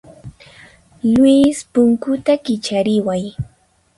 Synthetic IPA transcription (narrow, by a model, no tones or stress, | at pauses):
lwispʊŋkʊt̪akɪt͡ʃaɾɪwaj